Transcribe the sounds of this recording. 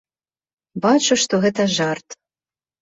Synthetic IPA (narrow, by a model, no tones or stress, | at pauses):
bɑt͡ɕɤ̆ʃt̪oɣɘ̆t̪æʒɑrt̪